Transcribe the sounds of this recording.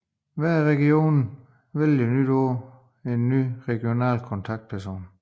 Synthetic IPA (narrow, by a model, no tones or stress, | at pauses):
ʋæɐʁɛɡ̥io̝̰ːnn̩ | ʋeljənyd̥ɔɐ̰ | e̝nːyːʁɛɡ̥io̝nɛ̰ːlkʰɔ̽nt͡sʰɑ̈ɡ̥̚d̥̚pʰæɐso̝̰ːn